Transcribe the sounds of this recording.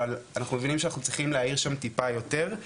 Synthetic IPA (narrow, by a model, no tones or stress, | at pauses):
alanaχnumevinimʃeanaχnut͡sʁiχimleaiʁʃamt̪ipajo̞te̞ʁ